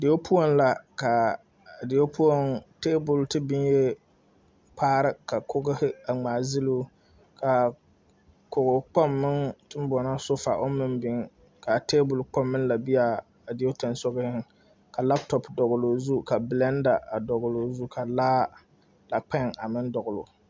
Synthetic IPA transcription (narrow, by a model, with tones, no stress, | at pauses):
dɪ˨o˦pʰu˦o˦nla˨ka˨ | dɪ˨o˦pʰu˦o˦ŋte˦bʊ˨ltɨ˦bɪ˦nje˦ | pʰaː˦ɾɨ˦ka˨kʰʊ˦ɡɪ˦hɪ˦a˨ŋ͡maː˨zɪ˦lu˦ | ka˨ | ko˨ɣʊ˨k͡pɔ˦mːɪ˦ŋtɨ˦m˦bɔ˨na˦sʊ˦fa̰˨ʔo˦mɨ˦nbɪ˨ŋ | ka˨te˦bʊ˨lk͡pɔ˦mːɨ˦nla˨bi˦jaː˨ | dɪ˨˦o˦ta˨nsɔ˦ɡɪ˦hɪ˦ŋ | ka˨la˦ptɔ˨pdɔ˨ɡʊ˨lo˨zu˦ka˨blɛ˦n˦da˨a˨dɔ˨ɡʊ˨lo˨zu˦kʰa˨laː˦ | la˨k͡pɛ˦ŋa˨mɪ˦ndɔ˨ɡʊ˨lʊ̰˨